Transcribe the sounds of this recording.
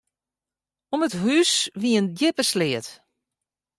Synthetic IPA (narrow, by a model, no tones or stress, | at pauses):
ɔməthysʋiəəndjɪpəslɪət